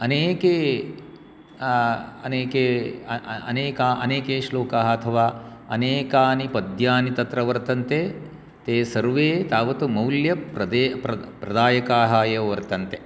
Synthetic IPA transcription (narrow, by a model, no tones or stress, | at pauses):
ɐneːke | ɐ̰neːke | ɐneːkaːɐneːkeːʃloːkaːɦɐɐt̪ʰɐʋaːɐneːkaːnipɐd̪ʱjaːnit̪ɐt̪ɾɐʋɐɾt̪ɐnt̪e | t̪eːsɐɾʋeːt̪aːʋɐt̪umɐwljɐpɾɐd̪eːpɐpɾɐd̪aːjɐkaːɦaːjɐʋɐɾt̪ɐnt̪e